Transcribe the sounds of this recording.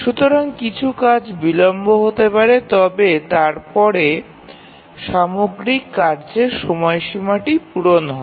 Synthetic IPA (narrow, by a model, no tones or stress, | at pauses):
ʃut̪oɾaŋkit͡ɕʰukad͡ʑbilomboɦot̪epaɾet̪ɔbet̪aɾpɔɾe | ʃamoɡɾikːaɾd͡ʑeɾʃɔmɔeʃimaʈipuɾonɦɔ